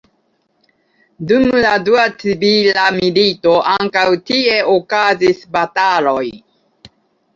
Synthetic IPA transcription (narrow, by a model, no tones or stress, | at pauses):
dumladuat͡sibilamilito̞ʔaŋkawtie̞okazisbatalo̞j